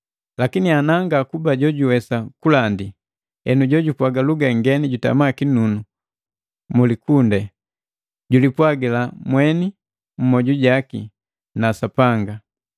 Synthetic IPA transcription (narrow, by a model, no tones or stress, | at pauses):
lakinianaŋɡakubaɟɔɟuwɛsakulandi | ɛnuɟɔɟupwaɡaluɡɛŋɡɛniɟuta̰makinunu | mulikundɛ | ɟulipwaɡɛlamwɛni | m̩mɔɟuɟakḭ | nasapaŋɡa